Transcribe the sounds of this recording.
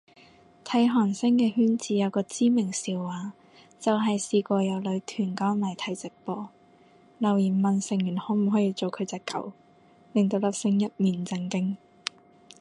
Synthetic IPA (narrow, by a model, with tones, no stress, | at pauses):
t̪ʰɐ˨˥jɦɔː˨˩nsɪ˥ŋkɛː˧hyː˥nt͡siː˧jɐ˨˧wkɔː˧t͡siː˥mɪ˨˩ŋsiː˨˧wːaː˨ | t͡sɐ˨wɦɐ˨jsiː˧kʷɔː˧jɐ˨˧wlɵ˨˧ɥt̪ʰyː˨˩nkɔː˥ŋlɐ˨˩t̪ʰɐ˨˥jt͡sɪ˨k̚pɔː˧ | lɐ˨˩wjiː˨˩nmɐ˨nsɪ˨˩ŋjyː˨˩nhɔː˨˥m̩˨˩ɦɔː˨˥jiː˧t͡so˨wkʰɵ˨˧ɥt͡sɛː˧kːɐ̰˨˥w | lɪ˨˩ŋt̪o˧wlɐ˨˩p̚sɪ˧ŋjɐ˥t̚miː˨nt͡sɪ˧ŋkɪ˥ŋ